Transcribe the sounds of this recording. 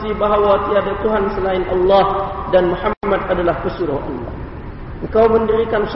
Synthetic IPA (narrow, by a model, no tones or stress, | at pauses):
sibaɦawat̪iadat̪uɦansəlaɪnʔɑlːɑhdanmuħaːat̪̚adalahpəsuɾʊhʔɑ̰lːɑ̰h | ʔəŋkawməndəɾikans